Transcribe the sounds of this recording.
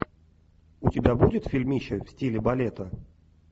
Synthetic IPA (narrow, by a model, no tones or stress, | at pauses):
ʊtʲɪbʲabudʲɪt̪fʲɪlʲmʲiɕəfsʲtʲilʲɪbɐlʲet̪ə